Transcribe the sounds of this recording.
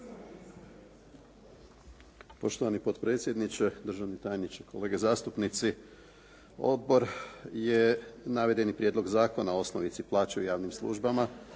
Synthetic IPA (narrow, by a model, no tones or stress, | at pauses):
po̞ʃt̪oʋanipo̞t̪pɾe̞ːt̪sʲje̞d̪nit͡ɕed̪ɾ̩ʒaʋnit̪ajenit͡ʃekʰo̞le̞ːɡe̞zaːst̪upnit̪si | o̞̰d̪̚bo̞ɾjenaʋe̞d̪e̞nipɾjed̪lˠo̞ɡzaːko̞nao̞snoʋit̪siplˠaːt͡ʃeujaːʋnimslˠṵʒbama